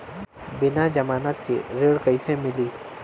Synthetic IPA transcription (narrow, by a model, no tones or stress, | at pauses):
bɪnad͡ʒɐmaːnaːt̪kḭɾeːɽkəɪsẽmɪliː